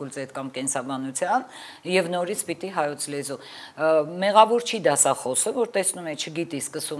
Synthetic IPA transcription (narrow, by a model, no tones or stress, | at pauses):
ult͡sɛt̪kɑmkɛnsɑbɑnut͡sʰjɑn | jɛvnɔɾit͡sʰpit̪iɦɑjɔt͡sʰlɛzu | mɛʁɑvɔɾt͡ʃʰid̪ɑsɑχɔsəvɔɾt̪ɛsnumɛt͡ʃʰəɡit̪iskəsu